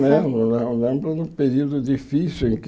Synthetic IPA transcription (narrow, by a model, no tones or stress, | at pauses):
lẽolẽlẽmbɾɐd̪ʊ̃peɾiwd̪ʊd̪ifisjuẽŋk